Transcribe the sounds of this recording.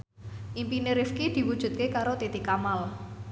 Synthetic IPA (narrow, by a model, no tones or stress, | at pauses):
ʔimpineɾɪfkid̪̥i̤wud̥ʒ̥ṳt̪̚kekaɾot̪it̪ikamal